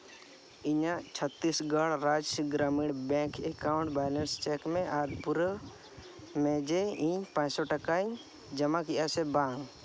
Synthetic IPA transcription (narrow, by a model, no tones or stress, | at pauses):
iɲat͡ʃʰət̪ːisɡəɽɾad͡ʒɡɾamiɽbɛ̃kʰekaʊ̃ɳʈbaːnəɾst͡ʃɛkmẽʔaːɾpuɾ | mɛ̃d͡ʒeĩɲpãsɔʈəkaɲ | d͡ʒəmakiʔjasɛbãŋ